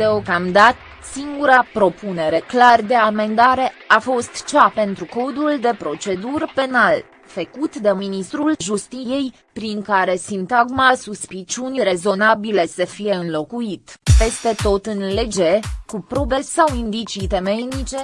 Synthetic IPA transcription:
d̪̥eo̞kamd̪at̪ | siŋɡuɾapɾo̞pune̞ɾe̞klard̪e̞ame̞nd̪aɾe̞afo̞st̪t͡ʃape̞nt̪ɾuko̞d̪uld̪e̞pɾo̞t͡ʃe̞d̪urpe̞nal | fəkut̪d̪emminist̪ɾulʒust̪ije̞j | pɾiŋkaɾe̞sint̪aɡmasuspit͡ʃunre̞zo̞nabile̞səfije̞ɨnlo̞kuit̪pe̞st̪e̞t̪o̞t̪ɨnle̞d͡ʒekupɾo̞be̞sawind̪it͡ʃit̪e̞menit͡ʃe̞

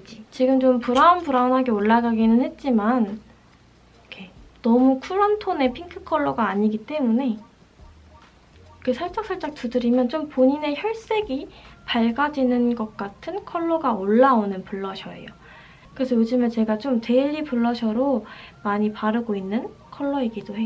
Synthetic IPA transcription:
d͡ʑit͡ɕiɡɯmt͡ɕompuɾaunpuɾaonɦaɡe̞oɭːaɡaɡinɯnhe̞t̚t͡ɕ͈iman | kʰe̞nʌmukʰuɾʌntʰone̞pʰiŋkʰɯ̥kʰʌɭːoɡaːɲiɡit͈e̞mune̞ | kɯsʰaɭt͡ɕ͈ʌk̚s͈ʰʌɭt͡ɕ͈ak̚tudɯɾimjʌnt͡ɕompoɲine̞çjʌɭs͈e̞ɡipaɭɡad͡ʑinɯnɡʌk̚k͈atʰɯnkʰʌɭːʌɡaoɭːaonɯnpuɭːʌɕʰʌḛjo | kɯɾesʰʌjod͡ʑimjʌnt͡ɕe̞ɡat͡ɕomte̞ʎːipuɭːʌɕʰʌɾomaɲipaɾɯɡoinːɯn | kʰʌɭːʌeɡidohe

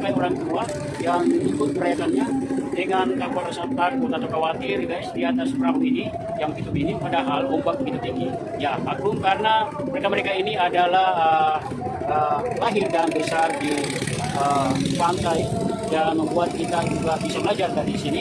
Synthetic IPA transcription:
pajoɾaŋt̪ua | jaŋikʊt̪̚kəɾajak̪anɲadəŋankakalrsat̪at̚at̪at̪awkawat̪ɪrɡajsdiat̪aspəɾaɦuini | jaŋpit̪upinipadaɦalumbak̚bəɡit̪ut̪iŋɡi | jamak̚ɾʊmkarənaməɾekaməɾekainiadalahəh | əlaɦɪrdanbisadi | əpant̪ajdanməmbuat̪̚kit̪ad͡ʒuɡabisaməlad͡ʒarkadiisini

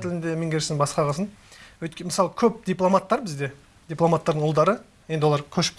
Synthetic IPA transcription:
t̪ʰɪlɪnd̪emeŋɡʲeɾʃɪɪŋbɑsqɑʁɑsən | wɵjt̪kʲməsɑlˠəkʲʰɵp̚d̪ijplˠo̞mat̪ːɑɾbɪzd̪e̞ | d̪̥ʲiplˠomat̪ːɑɾd̪əɴʊlˠd̪ɑɾə | je̞nd̪ɪwo̞lɑɾkʲʰɵʃɪ̥p̚

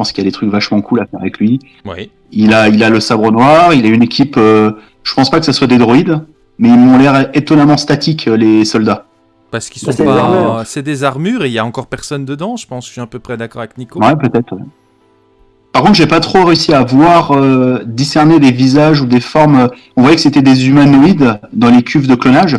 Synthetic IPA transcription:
əpɑ̃skʲilad̪et̪χykvaʃmɑ̃kʰulafɛʁavɛklɥi | wɛ̰ | ilailaləsabʁənwaʁilaynekʲipø | ʒ̥əpɑ̃spakə̥saswad̪ed̪ʁɔid̪ | mɛilmɔ̃lɛʁet̪ɔnamɑ̃st̪at̪ikʰølesɔld̪a | pasə̥kilsɔ̃pamysɛd̪ezaʁmyʁeiljaɑ̃kɔʁpɛʁsɔnd̪əd̪ɑ̃ʒə̥pɑ̃sʒʃɥiɛ̃pøpχɛd̪akɔʁavɛknikowɛpøt̪ɛt̪χ | paʁkɔ̃t̪χʒaɛpat̪χoʁeysiavwaʁød̪isɛʁned̪evizaʒud̪efɔʁmø | ɔ̃vwajɛkə̥set̪ɛd̪ezymanɔid̪d̪ɑ̃lekʲʰyvd̪əklɔnaʒ

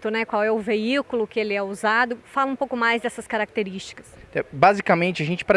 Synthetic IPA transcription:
t̪ʊnɛkwawɛʊveikʊlʊkɪelɪɛuzad̪ʊfalɐ̃ũpowkʊmajzd̪ɛsɐskaɾak̚t̪eɾist͡ʃi̥kɐsɛbazikɐmẽnt͡ʃɪɐʒẽnt͡ʃɪ̥pɾ

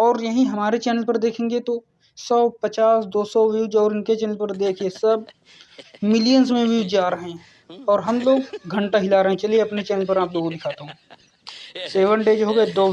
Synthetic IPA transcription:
ɔːɾjɐɦĩɦɐmaːɾet͡ʃɛːnəlpəɾd̪eːkʰẽːŋɡet̪o | sɔːpət͡ʃaːsd̪oːsɔʋjuːd͡ʒɔːɾɪnket͡ʃɛːnəlpəɾd̪eːkʰiesɐb̚ | mɪlijənzmẽʋuːd͡ʒaːɾəɦɛ̃ | ɔːɾɦɐmloːɡɡʱə̃ɳʈaɦɪlaɾɐɦɛ̃t͡ʃɐlieɐpnet͡ʃɛːnəlpɐɾaːploːɡd̪ɪkʰaːt̪aɦũː | seːʋəɳɖeːd͡ʒɦoːɡɛd̪oː

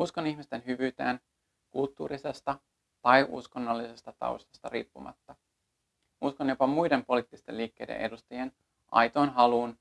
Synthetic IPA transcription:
usko̞niçmist̪e̞nɦyʋyːt̪ḛːn | kult̪ːṵːɾise̞st̪ɑ | t̪ɑjʔṵsko̞nːɑlːise̞st̪ɑt̪ɑ̰ust̪ɑ̥st̪ɑɾḭːpːumɑ̰t̪ːɑ | uskonjo̞pɑmujde̞mpo̞liːt̪ːist̪e̞̰liːkːe̞jdḛʔe̞dust̪ɑjen | ʔɑ̰jt̪o̞ːnɦɑluːn

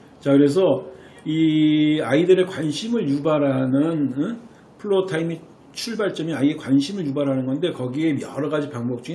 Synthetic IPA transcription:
t͡ɕakɯɾe̞s̬ʰʌ | iaidɯɾekwanɕʰimɯɭjubaɾɦanɯnɯ | pʰɯɭːotʰaimi | t͡ɕʰuɭbaɭt͡ɕ͈ʌmiaiekwanɕʰimɯɭjubaɾɦanɯnɡʌnde̞kʌɡie̞mjʌɾʌɡad͡ʑipaŋbʌk̚t͡ɕ͈ui

